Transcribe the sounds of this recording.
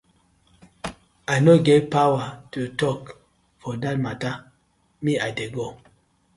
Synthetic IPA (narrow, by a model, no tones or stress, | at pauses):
aɪnoɡevpawatutɔk | fɔdat̚mata | miaɪdeɡo